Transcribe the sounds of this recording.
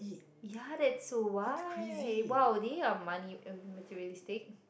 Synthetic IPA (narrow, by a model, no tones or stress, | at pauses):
jadɛtsowa | wawdeammanimətʰiɹiəlistɪk̚